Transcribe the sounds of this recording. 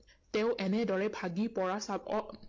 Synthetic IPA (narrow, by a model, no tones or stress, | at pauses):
tɛ̃ʊ̃ʔɛnɛdɔɹɛbʱaɡipɔɹasabɔ